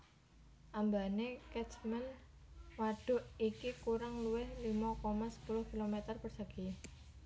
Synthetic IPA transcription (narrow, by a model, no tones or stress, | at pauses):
ʔambanekɛt͡ʃmɛn | waɖ̥ʊ̤ʔikikuɾaŋluwɪhlimakɔmasə̥pulʊhkilomet̪ərpərsaɡ̥i